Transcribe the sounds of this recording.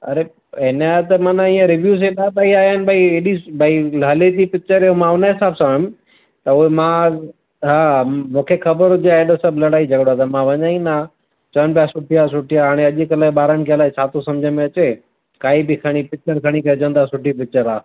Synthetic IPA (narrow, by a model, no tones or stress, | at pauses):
ɐ̰ɾe | ɦɪnaːt̪emãnãiːə̃ɾɪʋjuːs̬eɗabaːiaːənɪ̆bʱaieːɗibʱaːiɦɐlet̪ipɪt͡ʃəɾeõmãʊnəɦɪsaːbsãːɦʊ̃m | t̪ɐuɦemã | ɦamũːkʰexɐbəɾʊd͡ʑaeɗosɐbʱlɐɽaːid͡ʑɐɡɽoat̪ɐmãʋɐɲaːĩnaː | t͡ɕɐnpjasʊʈʰijasʊʈʰijaaːɽ̃eɐʄɪkɐlaːiɓaːɾənɪ̆kʰeɐlaːit͡ɕʰaːt̪ʰosɐmd͡ʑʱəmẽɐt͡ɕeː | kaːibɪkʰɐɽ̃ipɪt͡ʃəɾkʰɐɽ̃ikɐd͡ʑə̃nd̪aːsʊʈʰipɪt͡ʃəɾaː